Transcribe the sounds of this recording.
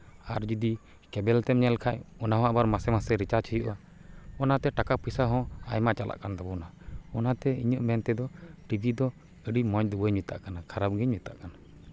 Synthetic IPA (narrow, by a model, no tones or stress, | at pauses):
aɾd͡ʒid̪i | kɛbɛlt̪ɛmɲɛlkʰajɔnaɦɔ̃abaɾmasɛmasɛɾit͡ʃat͡ʃʰijuʔa | ɔnat̪ɛʈakapʰisaɦɔ̃a̰jmat͡ʃalʔa̰ʔkand̪abɔnaɔnat̪ɛiɲɔʔmɛnt̪ɛd̪ɔʈibʱid̪ɔ | əɖimɔ̃ɲd̪ubəɲmit̪a̰ʔkanakʰaɾap̚ɡɛɲmit̪a̰ʔkana